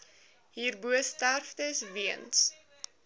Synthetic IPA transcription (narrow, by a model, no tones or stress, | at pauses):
ɦiːrbuəstærfdəsviəns